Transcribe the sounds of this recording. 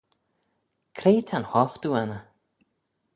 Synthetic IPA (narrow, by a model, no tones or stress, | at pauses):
kʰɾeːt̪ʰanhɔfd̪uanə